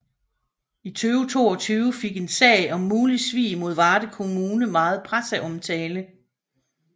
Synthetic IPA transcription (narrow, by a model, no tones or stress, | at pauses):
it͡sʰyːʊət͡sʰo̝ːɒ̽t͡sʰyːʊəfe̝ɡ̥e̝nsɛ̰ɪɒ̽mːuːlisʋḭːmo̝ð̞̰ˠʋɑ̈ːd̥əkʰo̝muːnəmɑ̈ːð̞̩ˠpʰʁasæʔɒ̽mt͡sʰɛːlə